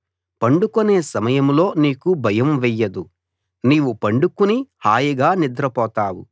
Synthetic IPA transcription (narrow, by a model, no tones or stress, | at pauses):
pɐɳɖukone̞ːsɐmɐjɐmlo̞ːniːkubʱɐjɐmʋɛjːɐd̪u | niːʋupɐɳɖukunihaːjɐɡaːnid̪ɾɐpɔːt̪aːwṵ